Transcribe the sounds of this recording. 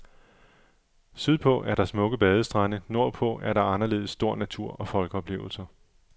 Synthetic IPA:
syðˠpʰɔ̽ʔæɐɾ̥ɑ̈smɔ̽ɡ̥əb̥ɛð̞ˠəsd̥ʁɑnəno̝ɐ̰pʰɔ̽æɐɾɑ̈ɑ̈nɐle̝̰ːð̞̩ˠsːd̥o̝ɐ̰næt͡sʰuɐ̰ɒ̽fɒ̽lɡ̥əɒ̽b̥le̝̰ːʊl̩sɐ

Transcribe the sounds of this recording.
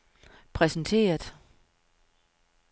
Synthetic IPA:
pʰʁɛsn̩t͡sʰe̝̰ːɐðˠ

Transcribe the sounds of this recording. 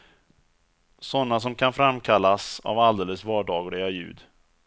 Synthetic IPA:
sɔnːas̬ɔmkʰanfɾamkʰalːasa̰vald̪eːləsvɑːɖɑːɡʊɾɛjajʉ̟̰ːd̪

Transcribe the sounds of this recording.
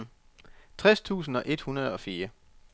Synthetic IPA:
t͡sʰʁɛst͡sʰṵːsn̩ɒ̽ʔe̝d̥hunɐð̞ˠɒ̽fiːɐ

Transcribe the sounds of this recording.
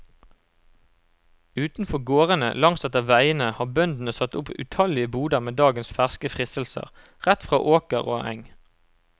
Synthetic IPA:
ʉːt̪n̩fɔʁɡoːʁənə̰lɑŋsɛt̪əʁʋæɪənəhɑːbœnd̪n̩əsɑt̪ʊpʉ̰t̪ʰɑlɪəbuːd̪əʁmeːd̪ɑːɡənsfæʁskəfʁɪsəl̩sə̰ʁ | ʁæt̪fʁɑːʔoːkəʁo̰ːʔæ̰ŋ

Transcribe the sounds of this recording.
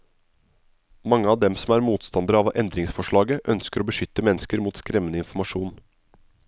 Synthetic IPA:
mɑŋːəɑːʋd̪ɛmsɔmæːɾmuːt̪st̪ɑnd̪əɾəɑːʋʔɛnd̪ɾɪŋsfɔʂɭɑːɡəʔœnskəɾoːbəʃʏt̪ːəmɛnːəskəɾmuːt̪skɾɛmːənəɪnfɔmɑʃuːn

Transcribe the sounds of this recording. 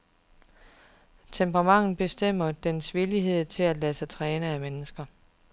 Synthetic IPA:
t͡sʰempʰʁɑ̈mɑ̈ŋ̰n̩b̥e̝sd̥em̰ɐd̥ensʋiliɦe̝ð̞̰ˠt͡sʰe̝læd̥læsət͡sʰʁɛːnəæmenəsɡ̥ɐ

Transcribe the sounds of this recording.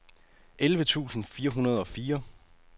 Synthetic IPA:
ʔelʋət͡sʰṵːsn̩fiːɐɦunɐð̞ˠɒ̽fiːɐ

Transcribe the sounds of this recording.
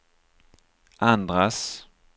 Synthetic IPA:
ʔand̪ɾas

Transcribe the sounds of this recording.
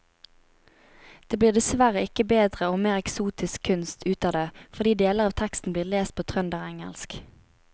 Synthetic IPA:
d̪̥eːbliːʁd̪ɛsʋæʁəɪkəbeːd̪ʁəoːmeːʁɛksuːt̪ɪskʰʉnst̪ʰʉːt̪ɑːd̪eːfɔʁd̪iːd̪eːləʁɑːʋt̪ʰɛkst̪n̩bliːʁleːst̪̚pʰoːt̪ʰʁœnd̪əʁɛŋə̰lsk

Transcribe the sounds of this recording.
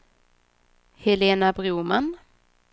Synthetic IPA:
hɛleːnabɾuːman

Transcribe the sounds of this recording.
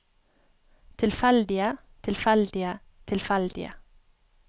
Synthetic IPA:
t̪ʰɪlfɛld̪ɪə | t̪ʰɪlfɛld̪ɪə | t̪ʰɪlfɛld̪ɪ̰ə̰

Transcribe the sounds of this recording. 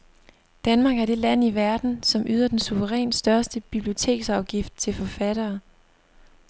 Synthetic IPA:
d̥ænmɑ̈ːɡ̥æɐd̥e̝læn̰iʋæɐd̥n̩sɒ̽mʔyð̞̰ˠɐd̥ensuʋəʁɛ̰ːnsd̥ɶɐsd̥əb̥ib̥lio̝t͡sʰe̝̰ːɡ̥sɑ̈ʊɡ̥ifd̥̚t͡sʰe̝lfɒ̽fæɾ̥ɐː

